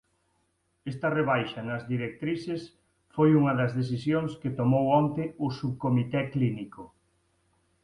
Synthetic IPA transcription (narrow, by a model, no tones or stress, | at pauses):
est̪ɐreβ̞ajʃɐnɐzðiɾek̚t̪ɾises | fojuŋɐðɐzðes̬isjoŋsket̪omowɔnt̪eʊsuβkomit̪ɛkliniko